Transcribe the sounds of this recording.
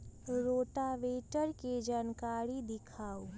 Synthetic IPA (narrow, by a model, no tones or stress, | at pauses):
ɾoːʈaʋeːʈəɾked͡ʒaːnkaːɾid̪ɪkʰaːo